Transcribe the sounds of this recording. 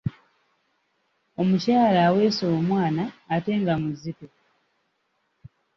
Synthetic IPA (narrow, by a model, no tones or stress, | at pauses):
o̞mucaːlaːwe̞ːsoːmwaːnaːte̞ːŋɡamuzito